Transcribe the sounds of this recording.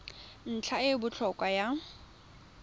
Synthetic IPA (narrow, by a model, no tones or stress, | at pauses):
n̩t͡ɬʰaɪbʊt͡ɬʰɔkʼwaja